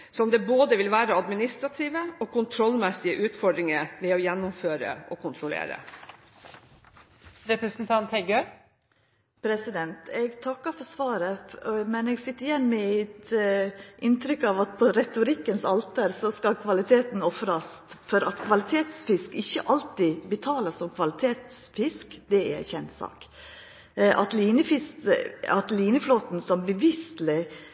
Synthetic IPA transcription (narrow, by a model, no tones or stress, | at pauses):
sɔmd̪ɛboːd̪əʋɪlʋæːɾəɑd̪mɪnɪst̪ɾɑt̪ʰiːʋəɔkʰʊnt̪ʰɾɔlmɛsɪəʔʉːt̪fɔɖɾɪŋəʋɛojɛnːʊmføːɾə̰ʔɔkʰʊnt̪ʰɾʊlḛːɾə̰ | ɾɛpɾəsn̩t̪ʰɑnt̪hɛɡø | pʰɾɛsɪd̪ɛnt̪ʰɛɡt̪ʰɑkːəɾfɔsʋɑːɾəɔmɛnɛːɡsɪt̪ːəɾjɛnːmɛɪt̪ | ʔɪnt̪ʰɾʏkːɑʋɑt̪̚pʰɔɾɛt̪ʊɾɪkːənsɑlt̪əɾsɔskɑlkʰʋɑlɪt̪ʰeːt̪n̩ɔfɾɑsfɔɾɑt̪kʰʋɑlɪt̪ʰeːt̪sfɪskɪçːə̰ʔɑlt̪ibət̪ʰɑːləsɔmkʰʋɑlɪt̪ʰeːt̪sfɪskd̪ɛæ̰æ̰çɛnt̪sɑ̰ːk | ʔɑ̰t̪liːnəfɪsɑt̪liːnəfloːt̪n̩sɔmbəʋɪst̪lɪ